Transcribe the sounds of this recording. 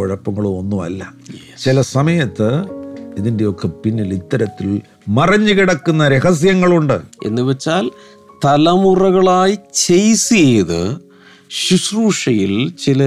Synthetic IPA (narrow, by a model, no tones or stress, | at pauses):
oɻɐpːɐŋːɐɭuonːuɐ̰lːɐ | t͡ɕilɐsɐmɐjɐt̪ːɨiðinde̞jo̞kːɐpinːilit̪ːɐɾɐt̪ːil | mɐrɐɲːɨkiɽɐkːunːɐɾeɦɐs̬jɐŋːɐɭuɳɖɨe̞̰nːɨʋet͡ɕːaːl | t̪ɐlɐmurɐɣɐɭaːjit͡ɕejsieːðɨ̰ | ɕisruːʂɐjilt͡ɕilɐ